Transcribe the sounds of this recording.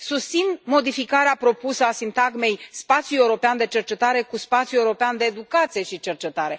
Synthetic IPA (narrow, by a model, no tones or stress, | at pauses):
sust̪sinmo̞d̪ifikaɾeapɾo̞pusəasint̪aɡme̞jspat̪sijuljeuɾo̞peand̪e̞t͡ʃe̞rt͡ʃe̞t̪aɾe̞kuspat̪sjuewuɾo̞peand̪e̞ːd̪ukat̪sije̞ʃit͡ʃe̞rt͡ʃe̞t̪aɾe̞